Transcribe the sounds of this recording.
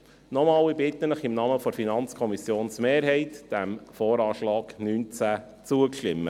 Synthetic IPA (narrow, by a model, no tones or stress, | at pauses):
nɔmɑːlibɪt̪ənəχɪmnɑːməfɔɾfinɑnt͡skʰɔmisjoːnsmeːɾɦɛɪt̪d̥æmfoːɾɑːʃlɑːknyːnt͡sæ | t͡suəkʃtɪmːə